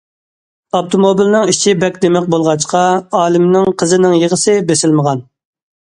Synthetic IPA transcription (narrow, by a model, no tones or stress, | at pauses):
ɑpt̪ʰomobilnɪŋit͡ʃʰibɛkʲd̪emɪq̚bolˠʁɑt͡ʃqʰɑɑːlˠɪmnɪŋqʰəzɨnɪŋjəʁəsɨbesɪlməʁɑn